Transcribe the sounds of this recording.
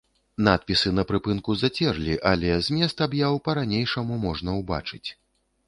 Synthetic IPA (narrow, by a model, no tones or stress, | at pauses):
nat̪̚pʲisɨnɐpɾɨpɨnkuzat͡sʲɛrlʲiʔalʲɛzʲmʲɛst̪abjawpɐɾanʲejʂɐmumɔʐnɐwba̰t͡ʂɨt͡sʲ